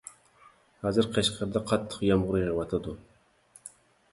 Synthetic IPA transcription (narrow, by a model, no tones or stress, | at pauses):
hɑːzɨɾqʰeʃqʰəɾd̪ɑqʰɑt̪ʰːə̥qjɑmʁʊɾɨjʁwɑt̪ʰɑd̪u